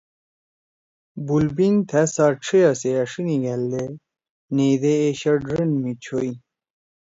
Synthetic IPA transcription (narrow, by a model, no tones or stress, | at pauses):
bulbiŋt̪ʰæsaʈ͡ʂʰijaseɐʂiniɡɐld̪e | neːd̪eːɕɐɖɾenmit͡ɕʰoi